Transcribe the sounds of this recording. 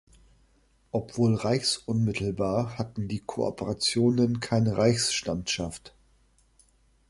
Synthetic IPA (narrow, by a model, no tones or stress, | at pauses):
ʔɔpv̥oːlʁaɪçsʔʊnmɪtʰl̩baːɐhatn̩diːkʰoʔɔ̰pəʁat͡sjoːnənkʰaɪnəʁaɪçsʃtamtʃaft